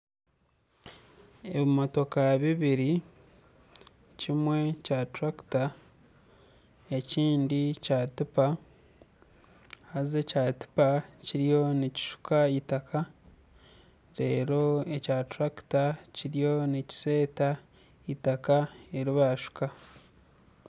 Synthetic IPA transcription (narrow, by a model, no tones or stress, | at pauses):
eβimoto̞kaβiβiɾi | cimwe̞catɾaki̥ta | e̞ciːndicatipa | haze̞cati̥paciɾijo̞nici̥ʃu̥kaitakʰa | ɾe̞ːɾo̞ecatɾaktaciɾijo̞nici̥se̞ːta | itakae̞ɾiβaʃu̥ka